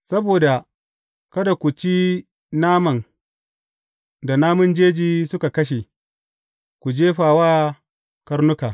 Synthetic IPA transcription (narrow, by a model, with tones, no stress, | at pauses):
sɐ˦boː˨da˨ | kɐ˦da˨kʷu˨t͡ʃi˦ | naː˦mɐ˨ŋ | da˨naː˦mʊ˦nd͡ʒeː˦d͡ʒiː˦sʊ˦ka˨kɐ˦ʃ̬e˨ | kʷu˨d͡ʒeː˦ɸaː˨waː˦ | kɐ˦ɾnʊ˦kaː˨